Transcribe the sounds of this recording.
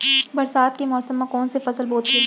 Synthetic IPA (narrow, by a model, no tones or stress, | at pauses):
bɐɾsaːt̪̚kemɔːsəmːãkɔːnsefɐsəlboːt̪e